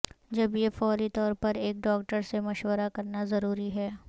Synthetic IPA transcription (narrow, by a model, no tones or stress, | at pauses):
d͡ʒɐbjefɔːɾit̪ɔːɾpɐɾeːk̚ɖɔːk̚ʈəɾsemɐʃwəɾakɐɾnazɐɾuːɾiɦɛː